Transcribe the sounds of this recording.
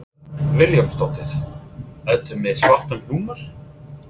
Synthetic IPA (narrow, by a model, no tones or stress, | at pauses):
vɪljɔmst̪ɔt̪ːɪɾ̥ | œt̪ʏmːɪðsvaht̪ampluːmaɾ̥